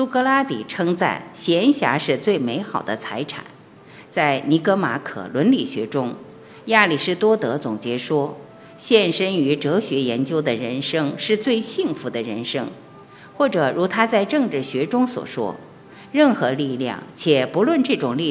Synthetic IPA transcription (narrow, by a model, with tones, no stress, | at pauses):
su˥kɤ˥la˥t̪ḭ˨˩ʈ͡ʂʰɤ˥ŋt͡sa̰˥˩ɪɕjɛ˧˥nɕja̰˧˥ʂɻ̩˥˧t͡swe˥˩ɪme˧˥ɪxɑ˨˩ʊd̪ə˦t͡sʰa˧˥ɪʈ͡ʂʰa̰˨˩˦n | t͡sa˥˩ɪni˧˥kɤ˧˥ma̰˧˥kʰɤ̰˨˩lwə˧˥nli˨˩ɕɥɛ̰˧˥ʈ͡ʂʊ˥ŋ | ja˥˩li˨˩ʂɻ̩˥˧t̪wɔ˥t̪ɤ˧˥t͡sʊ˨˩ŋt͡ɕjɛ˧˥ʂwɔ˥ | ɕjɛ˥˧nʂə˥ny˧˥ʈ͡ʂɤ˧˥ɕɥɛ˧˥jɛ˧˥nt͡ɕjo˥ʊd̪ə˨ɻə̰˧˥nʂɤ˥ŋʂɻ̩˥˧t͡swe˥˧ɪɕi˥˩ŋfu˧˥d̪ə˧ɻə̰˧˥nʂɤ˥ŋ | xwɔ˥˩ʈ͡ʂɤ˨˩ɻu˧˥t̪ʰa˥t͡sa˥˧ɪʈ͡ʂɤ˥˧ŋʈ͡ʂɻ̩˥˩ɕɥɛ˧˥ʈ͡ʂʊ˥ŋswɔ̰˨˩ʂwɔ̰˥ | ɻə˥˩nxɤ˧˥li˥˧ljɑ̰˥˩ŋt͡ɕʰjɛ˨˩pu˧˥lwə˥˧nʈ͡ʂɤ˥˩ʈ͡ʂʊ˨˩ŋli˥˧